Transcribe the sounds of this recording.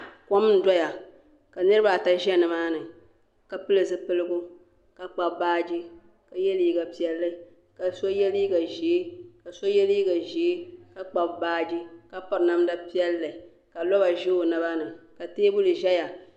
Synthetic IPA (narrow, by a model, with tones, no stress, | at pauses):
kɔ˦m˦n̩˦dɔ˦ja˨ | ka˨nɨ˦ɾɨ˦ba˨ta˦ʒɛ˦˨nɨ˨maː˦nɨ˨ | ka˨pɨ˦lɨ˨zɨ˦pɨ˦lɨ˦ɡʊ˦ | ka˨k͡pa˨bbaː˦d͡ʒi˦ | ka˨jɛ˦li˦ɡa˨pi˨ɛ˨lːɨ˦ | ka˨so˦jɛ˦liː˦ɡa˨ʒi˨˦ka˨so˦jɛ˦li˦ɡa˨ʒi˨e˦ka˨k͡pa˨bbaː˦d͡ʒi˦ka˨pɔ˦ɾna˦mda˦pi˦ɛ˦lːɨ˨ | ka˨lɔ˦ba˨ʒe˦o˨na˦ba˦nɨ˨ka˨teː˦bʊ˦lɨ˨ʒɛ˦ja˨